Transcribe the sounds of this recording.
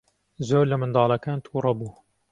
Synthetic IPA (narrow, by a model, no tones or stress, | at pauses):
zoːɾlɐmɨnd̪ɑːlˠɐkaːnt̪ʰuːɾɑbuː